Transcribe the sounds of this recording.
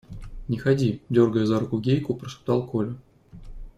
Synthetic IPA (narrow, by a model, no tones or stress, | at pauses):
nʲɪxɐdʲidʲorɡəjəzaɾʊkʊɡʲejkʊpɾəʂɨ̥p̚t̪ɑlˠkolʲɪ